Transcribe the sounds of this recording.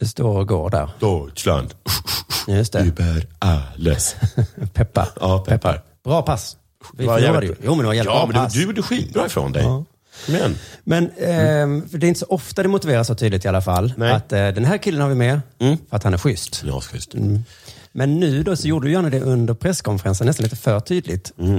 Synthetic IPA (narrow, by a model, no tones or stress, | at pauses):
d̪ɵst̪oːɾɔɡo̰ːɾd̪æ̰ːɾd̪ʰɔla̰nd̪ | jɵst̪ɛbæɾalɛ̰spʰɛpːa̰pʰɛpːa | b̥ɾɑːpʰas | vad̪ɛjjuːmɛnd̪ɛvaɾjɛlmɛd̪asd̪judəɧiːt̪̚bɾɑːɪfɾo̰nd̪ɛ̰j | mɛnmɛn | fœɖɛɪnt̪əsɔʔɔft̪ad̪ɛmʊt̪ɪveːɾasːɔt̪ʰyːd̪lɪkt̪ɪalːafalːat̪ːd̪ɛnɦæːɾkʰɪlːənhaɾvɪmɛfœɾat̪hanæɾɧʏst̪ʏ̰st̪ː | mɛnːʉ̟ːd̪osɔjuːɖəd̪ɪjæːɳad̪ɛʔɵnd̪əɾpʰɾɛsːkʰɔnfɛɾansənɛst̪anliːt̪əfœːʈʰyːd̪lɪt̪